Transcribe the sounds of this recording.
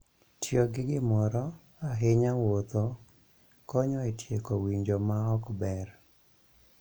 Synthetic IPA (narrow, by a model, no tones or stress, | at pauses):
tjoɡɪɡɪmɔɾɔ | aɦɪɲawot̪o | kɔɲɔɛtjekɔwiɲd͡ʒomaɔkbɛr